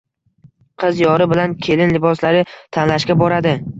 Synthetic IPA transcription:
qʰɨzjɒɾɪbɪlankʲʰe̞lɪnlɪbɒslaɾɪt̪ʰanlaʃkʲabɒɾad̪ɪ

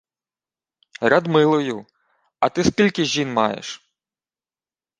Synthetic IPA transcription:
rad̪mɪlˠɔjʊ | ɐt̪ɪskʲilʲkɪʒʲinmɑjḛʃ

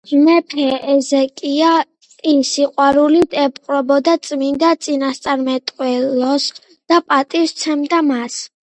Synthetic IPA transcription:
mɛpʰɛɛzɛkʼia | isiqʼwaɾulit̪ʰɛpʼqʼɾɔbɔd̪at̪sʼmind̪at̪sʼinast̪sʼaɾmɛt̪ʼqʼwɛlɔs | d̪̥apʼat̪ʼifst̪sʰɛmd̪amas

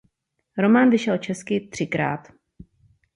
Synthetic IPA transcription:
ɾomaːnvɪʃɛlt͡ʃɛskɪt̪r̝̥ɪkɾa̰ːt̪

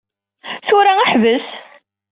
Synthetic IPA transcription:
θʊɾaaħvəs

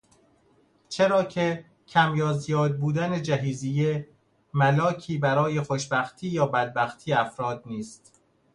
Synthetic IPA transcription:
t͡ʃʰeɾɒːcʰe | cʰæmjɒːzjɒːd̪̚buːd̪æned͡ʒæɦiːzije | mælɒːcʰiːbæɾɒːje̞xoʃbæxt̪ʰiːjɒːbæd̪̚bæxt̪ʰiːjeæfɾɒːd̪niːst̪

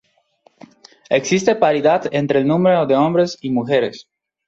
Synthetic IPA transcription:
eksist̪epaɾiðad̪ent̪ɾeːlnũmɾeod̪eombɾesimuxeɾes

